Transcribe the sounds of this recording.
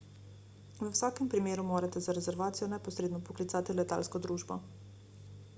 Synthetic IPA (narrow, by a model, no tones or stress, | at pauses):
ʋəwsaːkɛmpɾimeːɾumoːɾat̪ɛzaɾɛzɛɾʋaːt̪sijɔnɛpɔsɾeːd̪nɔpɔklit̪saːt̪ilɛt̪a̰ːlskɔd̪ɾuːʒbɔ